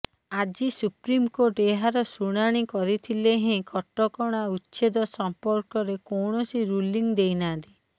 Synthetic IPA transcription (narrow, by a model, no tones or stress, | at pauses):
ad͡ʒisupɾimkoʈeɦaɾɔsuɽ̃aɽ̃ikɔɾit̪ʰileɦẽkɔʈːɔkɔɽ̃autːʃed̪ɔsɔmpɔɾkɔɾekowɳɔsiɾuliŋd̪ejnand̪i